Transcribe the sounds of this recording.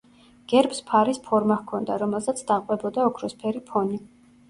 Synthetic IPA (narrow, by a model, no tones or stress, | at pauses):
ɡ̥ɛɾpspʰaɾispʰɔɾmahkʰɔnd̪aɾɔmɛlˠsat̪sʰd̪aqʼwɛbɔd̪aɔkʰɾɔspʰɛɾipʰɔni